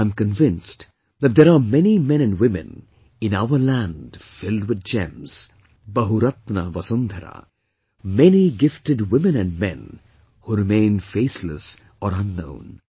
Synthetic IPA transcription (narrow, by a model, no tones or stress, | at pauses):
aɪ̃mkə̃nvɪ̃nst | ðæt̚d̪ɛɾaːmɛnimɛ̃nɛ̃nɖwɪmɨ̰̃n | ɪ̃naʊəlæ̃ndfɪldwɪd̪̚d͡ʒɛ̃mz̥ | bɐɦuɾʌt̪na̰ʋɐsʊ̃nd̪ʱəɾa̰ | mɛniɡɪfʈɨɖwɪmɨ̃nɛ̃nɖmɛ̰̃n | huɾɪmẽɪ̃nfeːslə̰s | ɔːɾʌ̃nːõ̰ʊ̃n